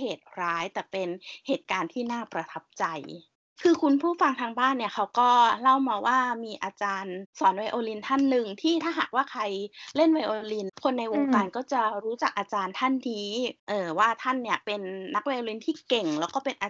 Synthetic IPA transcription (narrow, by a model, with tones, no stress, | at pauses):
heː˨˩t̪̚ɾaː˦˥jt̪ɛː˨˩pe˧nheː˨˩t̪̚kaː˧nt̪ʰiː˥˩naː˥˩pɾa˧t̪ʰa˦˥p̚t͡ɕa˧j | kʰɯː˧kʰu˧npʰuː˥˩fa˧ŋt̪ʰaː˧ŋbaː˥˩nːi˥ɐkʰa˦˥wkɔː˥˩la˥˩wmaː˧waː˥˩miː˧ʔaː˧t͡ɕaː˧nsɔː˩˦nwa˧jʔoː˧li˧nt̪ʰa˥˩nːɯ˨ŋt̪ʰiː˥˩t̪ʰaː˥˩ɦaː˨˩k̚waː˥˩kʰa˧jle˥˩nwa˧jʔoː˧li˧nkʰo˧nːa˧jʔo˧ŋkaː˧nkɔː˥˩t͡ɕa˨˩ɾuː˦˥t͡ɕa˨˩k̚ʔaː˧t͡ɕaː˧nt̪ʰa˥˩nːiː˦˥ʔɤː˨˩waː˥˩t̪ʰa˥˩nːi˥˩ɐpe˧nːa˦˥k̚wa˧jʔoː˧li˧nt̪ʰiː˥˩ke˨˩ŋlɛː˦˥wkɔː˥˩pe˧nʔa˧